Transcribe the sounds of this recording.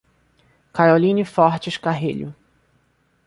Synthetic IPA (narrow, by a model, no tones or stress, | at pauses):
kajolĩnɪfɔɾt͡ʃɪʃkaɦeʎʊ